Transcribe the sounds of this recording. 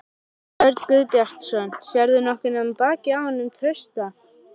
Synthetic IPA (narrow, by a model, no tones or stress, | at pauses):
œɾt̪kʏðpjar̥t̪sɔnsjɛɾðʏnɔhkɪnːapaːcɪawhɔnːʏmt̪ʰɾœɥst̪a